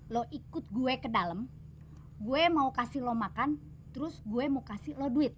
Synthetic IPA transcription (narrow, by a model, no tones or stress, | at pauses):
lɔʔikʊt̪̚ɡuekədaləm | ɡuemaukasɪlɔmakan | t̪əɾʊsɡuemokasɪhlɔduɪt̪̚